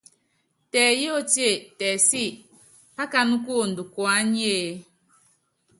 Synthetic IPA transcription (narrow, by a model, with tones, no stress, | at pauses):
tɛ˨ji˦o˦˨te˦˨tɛ˨si˦˨ | pa˦ka˦nu˦ku˦o˨n˨du˨kwa˨˦ɲ˦e˦